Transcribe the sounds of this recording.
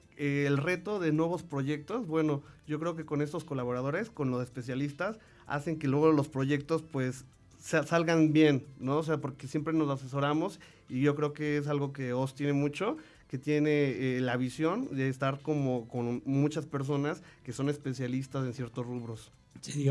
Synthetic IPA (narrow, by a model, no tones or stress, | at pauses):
eːlre̞t̪o̞ðe̞nwe̞β̞o̞spɾo̞ʝe̞k̚t̪o̞zbwe̞no̞ɟ͡ʝo̞kɾe̞ok̬e̞ko̞ne̞st̪o̞skolaβ̞o̞ɾað̞o̞ɾe̞sko̞nlo̞se̞spe̞s̬jalist̪as | a̰se̞ŋke̞lwe̞ɣo̞lo̞spɾo̞ʝe̞k̚t̪o̞spwe̞s | asalɣanbje̞nːo̞os̬e̞apo̞ɾke̞sje̞mpɾe̞no̞sase̞s̬o̞ɾamo̞s | iʝo̞kɾe̞oke̞es̬alɣo̞ke̞ost̪je̞ne̞mut͡ʃo̞ | ke̞t̪je̞ne̞elaβisjo̞nd̪eːst̪aɾko̞moko̞nmut͡ʃaspe̞ɾs̬o̞naske̞so̞ne̞spe̞sjalist̪ase̞nsje̞ɾt̪osruβɾo̞s | seðo